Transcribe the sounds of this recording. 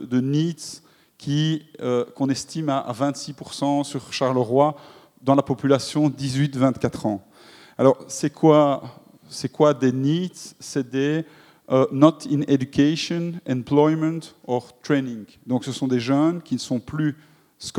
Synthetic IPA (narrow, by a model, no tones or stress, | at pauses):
d̪əniːd̪ | kʰʲiəkɔ̃nɛst̪imaa̰vɛ̃t̪sipuʁsɑ̃syʁʃaʁləʁwa | d̪ɑ̃lapɔpylasjɔ̃d̪izɥit̪vɛ̃t̪kat̪χɑ̃ | alɔːʁsɛkʰwa | sɛkwad̪eniːd̪sɛd̪ɛ | ønɔt̪ʰined̪ykʲeʃɔnɛ̃plɔjmə̃nt̪ɔʁt̪χeniŋ | d̪ɔ̃ksəsɔ̃d̪eʒənkʲinəsɔ̃ply | sk